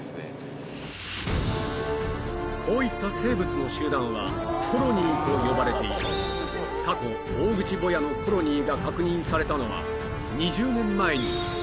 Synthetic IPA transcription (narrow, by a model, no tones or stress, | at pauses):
kʰo̞ːit̪ːase̞ːbɯt͡sɨno̞ɕɨːd̪ãɰ̃βa̰kʰo̞ɾo̞ɲ̟ʲit̪o̞jo̞baɾe̞t̪e̞it̪a̰ | kako̞ | oːɡɯ̟t͡ɕibo̞jano̞kʰo̞ɾo̞ɲ̟iɡakakɯ̟ɲ̟ĩɰ̃saɾe̞t̪ano̞βa̰ | ɲ̟iʑɨːmẽmːaeɲ̟i